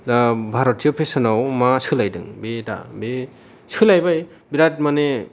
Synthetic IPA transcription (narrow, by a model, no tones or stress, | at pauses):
bʱaɾɔt̚ːiopʰesɯnawmasɯlajdɯ̰ŋbeda̰be | sɯlajbaj | biɾat̚mane